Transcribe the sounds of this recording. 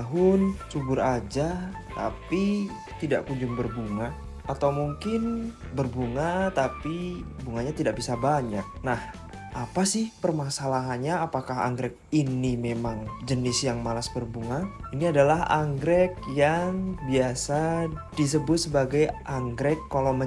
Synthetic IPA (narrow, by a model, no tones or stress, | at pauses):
aɦʊnt͡ʃubʊɾad͡ʒa | t̪api | t̪ida̰ʔkuɲd͡ʒʊmbərbuŋa | at̪awmuŋkɪnbərbuŋat̪apibuŋaɲat̪idaʔbisabaɲak̚nah | ʔapasɪhpərmasalaɦanɲaːpakaɦa̰ŋɡɾɛk̚inimemaŋd͡ʒənɪsjaŋmalasbərbuŋainiadalaɦa̰ŋɡɾɛk̚jaŋbiasadis̬əbʊt̪̚səbaɡajʔaŋɡɾɛkːalawmə